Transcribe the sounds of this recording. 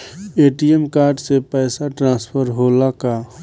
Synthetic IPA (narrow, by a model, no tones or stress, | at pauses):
eːʈiemkaːɾɖsepɛːsaʈɾãːspʰəɾɦoːlaka